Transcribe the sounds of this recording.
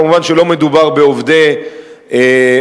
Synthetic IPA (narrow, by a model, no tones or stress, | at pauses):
muvanʃelo̞me̞d̪ubaʁbeovd̪e | e